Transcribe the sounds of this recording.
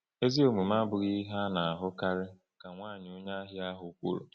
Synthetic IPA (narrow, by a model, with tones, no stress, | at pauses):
e˦zi˦o˨mu˨ma˦bʊ˨ɣi˦ɦa˦na˨a˨ɦʊ˦ka˦ɾɪ˦ | ka˨ŋʷaː˦˨ɲ˨ʊ˦ɲa˦ɦɪ˦a˦ɦʊ˨˦kʷo̰˦ɾo̰˨